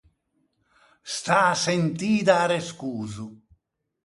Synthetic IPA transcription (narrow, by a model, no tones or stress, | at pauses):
st̪aːsent̪iːd̪aːɾeskuːzu